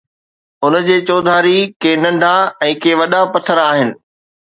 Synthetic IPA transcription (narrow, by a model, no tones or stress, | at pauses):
ʊnd͡ʑeːt͡ɕoːd̪ʱaːɾikeːnɐ̃ɳɖʱaɛ̃ːkʰeːʋɐɗapɐt̪ʰəɾaːɦɪnɪ̆